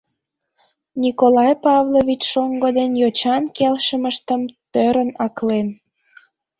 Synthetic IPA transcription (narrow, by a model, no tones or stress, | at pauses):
nʲikolɑjpɑvloβʲit͡ɕʃoŋɡəd̪enjot͡ɕɑnkelʃəməʃt̪əmt̪øɾənɑklen